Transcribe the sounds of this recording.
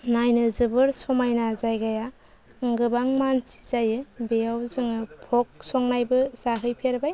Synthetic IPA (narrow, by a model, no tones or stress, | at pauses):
najnɯzɯbɯɾsɔmajnazajɡaja | ŋɡɯbaŋmansi̥zajɯbejawzɯŋɯpʰɔk̚sɔŋnajbɯzaɦɯjpʰeɾbaj